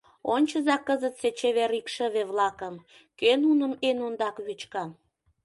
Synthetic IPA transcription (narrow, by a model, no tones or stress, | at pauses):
onʲt͡ɕəzɑkːəzət̪set͡ɕeβeɾikʃəβeβlɑkəm | kønunəmenond̪ɑkβyt͡ɕkɑm